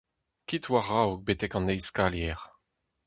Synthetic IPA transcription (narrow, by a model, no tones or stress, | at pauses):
kit̪waʁawk̚bet̪ɛkɑ̃nɛjskaljɛʁ